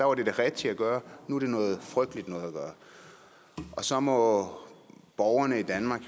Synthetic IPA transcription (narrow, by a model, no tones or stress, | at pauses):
d̥æʋɑ̈d̥e̝d̥e̝ʁɛd̥t͡sʰeæɡ̥ɶːɐnuæɐd̥e̝nɔ̽ːð̩ˠfʁœɡ̥d̥əlid̥nɔ̽ːð̞̩ˠæɡ̥ɶːɐ | ʔɒ̽sɒ̽mɒ̽ | b̥ɒʊɐnəid̥ænmɑ̈ːɡ̥